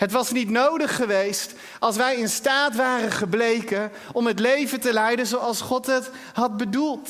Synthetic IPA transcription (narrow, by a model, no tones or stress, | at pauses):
ɦətʋɑsnitnowdəχːəʋejst | ɑlˠsʋɛjɪnstaːtʋaːrənχəblejkən | ɔmətlejvətəlɛjdənzowɑlˠsχɔtɦət | ɦɑd̚bədulˠt